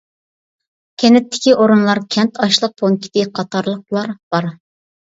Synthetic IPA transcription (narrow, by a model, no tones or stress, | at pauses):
kʲʰɛnɪt̪ːɪ̥kʲiʔoɾunlˠɑɾkʲʰɛnt̪ʰɑʃlˠəq̚pʰoŋkʲʰɪ̥t̪ɪqʰɑt̪ʰɑɾlˠəq̚lˠɑɾb̥ɑɾ